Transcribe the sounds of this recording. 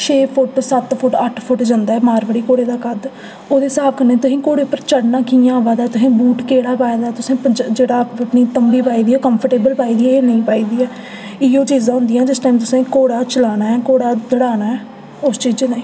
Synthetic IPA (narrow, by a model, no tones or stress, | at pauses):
t͡ʃʰeːpʰʊʈsət̪pʰʊʈəʈʰpʰʊʈd͡ʒãːnd̪aːɛːmaːɾʋəɽiːkoːɽeːd̪aːkəd̪ | oːd̪eːsaːpʰkəɾneːt̪ʊsĩːkoːɽeːʊpːəɾt͡ʃəɽnãːkiːãːʋãːd̪aːt̪ʊsĩːbuːʈkeːɽaːpaːẽːd̪aːt̪ʊsẽːpəd͡ʒd͡ʒeːɽaːəpniːt̪əmbiːpaːiːd̪iːoːkəmpʰəɾʈeːbəlpaːiːd̪iːɛeːnəĩːpaːiːd̪iːɛː | ɪjoːt͡ʃiːzãɦʊ̃nd̪ijãːd͡ʒɪsʈaːimt̪̬ʊsẽːkoːɽaːt͡ʃəlaːnaːɛːkoːɽaːd̪əɽaːnaːɛː | ʊst͡ʃiːd͡ʒnaĩː